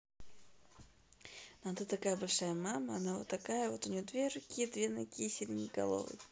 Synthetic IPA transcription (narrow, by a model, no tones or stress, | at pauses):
noɐt̪at̪ɐkajəbɐlʲʂajəmaməɐnavo̞t̪ːɐkajəvo̞t̪ʊnʲɪjod̪vʲerʊkʲijəd̪vʲenɐkʲijəsʲilʲnʲɪjɡɐ̰lˠo̞̰vɨ̰j